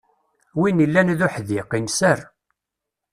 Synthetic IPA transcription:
winilːænðuħðiqinsər

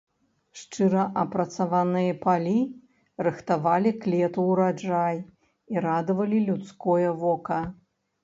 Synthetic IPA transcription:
ʂt͡ʂɨɾɐʔɐpɾɐt̪savanɨjɐpalʲi | rɨxt̪avalʲiklʲɛt̪uwɾad͡ʐaj | iɾad̪ɐvɐlʲilʲut̪skɔjɐvɔkɐ

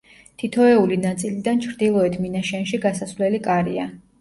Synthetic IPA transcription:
t̪ʰit̪ʰɔɛulinat̪sʼilid̪ant͡ʃʰɾd̪ilˠɔɛt̪ʰminaʃɛnʃiɡasasvlɛlikʼaɾia

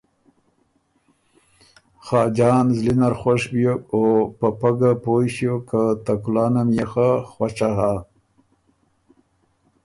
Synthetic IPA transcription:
xɑːd͡ʒɑːnzlinaɾxwaʂbjokopapaɡapoɕjokat̪akulɑːnamjexaxwat͡ʃaɦa

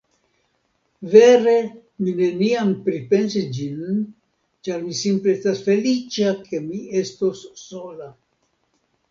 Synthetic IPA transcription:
ve̞ɾe̞ | mine̞niampɾipe̞nsisd͡ʒin | t͡ʃaɾmisimple̞estasfe̞lit͡ʃakʰe̞mie̞sto̞sːo̞la

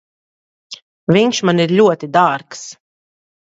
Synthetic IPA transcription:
vinʃmaniɾlʲuɔt̪id̪aːɾks

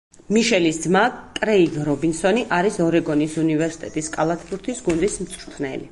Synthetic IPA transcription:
miʃɛlisd̪zmakʼɾɛiɡɾɔbinsɔniʔaɾisɔɾɛɡɔnisunivɛɾsi̥t̪ʼɛt̪ʼiskʼalˠat̪ʰbuɾt̪ʰisɡund̪ism̩t̪sʰʼɾut̪ʰnɛ̰lḭ

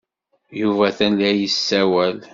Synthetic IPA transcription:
juvæθænlæjəsːæwæl

